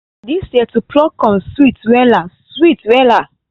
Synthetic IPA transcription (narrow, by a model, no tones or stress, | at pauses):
disɛtupʰlɔkɔ̃nswitwɛla | switwɛla